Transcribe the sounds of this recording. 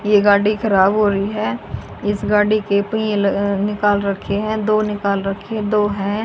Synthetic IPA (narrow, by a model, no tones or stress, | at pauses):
jeːɡaːɽikʰəɾaːbɦoːɾiɦɛː | ɪsɡaːɽikepəiẽlnɪkaːlɾəkʰːeɦɛ̃ːd̪oːnɪkaːlɾəkʰːed̪oːɦɛ̃ː